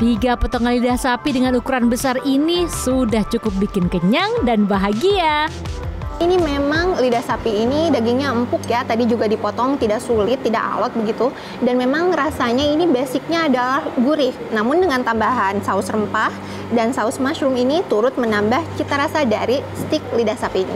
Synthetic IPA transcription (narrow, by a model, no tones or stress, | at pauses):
t̪iɡapot̪oŋanlidahsapidəŋanukuɾanbəsarinisudaht͡ʃukʊp̚bikɪnkəɲaŋdanbaɦaɡia | inimemaŋlidahsapiːnidaɡiŋɲaəmpʊkjat̪adid͡ʒuɡadipɔt̪ɔŋt̪idaksulɪt̪ːida̰ka̰wat̪̚bəɡit̪u | danmemaŋrasaɲainibasɪk̚ɲaːdalahɡuɾɪhnamʊndəŋant̪ambaɦansaʊsrəmpah | dansaʊsmaʃɾʊminit̪uɾʊt̪̚mənambaht͡ʃit̪aɾasadaɾist̪ɪk̚lidahsapiːnḭ